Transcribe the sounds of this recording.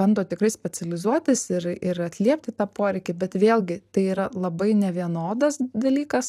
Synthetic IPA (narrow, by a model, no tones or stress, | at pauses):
ɛnd̪oːt̪ʲɪkrɐɪsʲpʲɛt͡s̪ʲɛlʲɪzuɔt̪ʲɪsɪɾɪɾɐt̪ʲlʲiɛpʲt̪ʲɪt̪ɑːpoːɾʲɛɪkʲɪbʲɛt̪ʋʲeːlʲˠɡʲɪt̪ɐɪiːɾɐlˠɐbɐɪnʲɛʋʲiɛnoːd̪ɐsd̪ɐlʲiːkɐs